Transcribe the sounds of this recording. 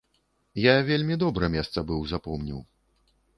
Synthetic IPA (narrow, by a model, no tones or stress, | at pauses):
javʲelʲmʲid̪ɔbɾɐmʲɛst̪sɐbɨwzapɔmnʲḭw